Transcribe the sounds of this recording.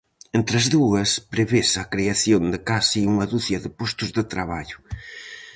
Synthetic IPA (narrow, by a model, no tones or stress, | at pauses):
ent̪ɾɐzðuɐspɾeβesɐkɾeaθjond̪ɪkasiuŋɐðuθjɐðɪpost̪ʊzðɪt̪ɾaβaʎʊ̥